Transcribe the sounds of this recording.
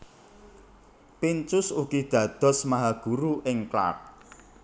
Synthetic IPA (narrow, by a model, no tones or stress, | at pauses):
pint͡ʃʊsuɡ̥id̪̥ä̤d̪̥ɔ̤smaɦaɡ̥uɾuɪŋkla̰r̚